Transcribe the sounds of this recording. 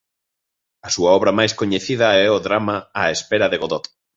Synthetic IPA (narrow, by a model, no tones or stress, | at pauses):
ɐsuɐɔβɾɐmajskoɲeθiðɐɛʊðɾamaaespɛɾɐðeɣoðɔt̪